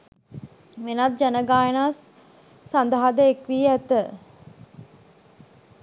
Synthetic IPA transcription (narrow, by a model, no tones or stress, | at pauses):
menat̪̚d͡ʒænəɡaːjənasː | and̪aɦad̪əekʋiːæt̪ə